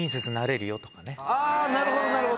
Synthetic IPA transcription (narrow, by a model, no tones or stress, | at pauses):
ĩs̬et͡sɨnaɾe̞ɾɯ̟jo̞t̪o̞kane̞aːnaɾɯ̟hod̪onaɾɯɦo